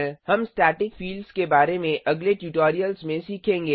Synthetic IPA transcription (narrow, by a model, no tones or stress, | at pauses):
hɐmsʈɛːʈɪkfiːlɖskebaːɾemẽʔɐɡleʈjuʈoːɾijəlzmẽsiːkʰẽːŋɡeː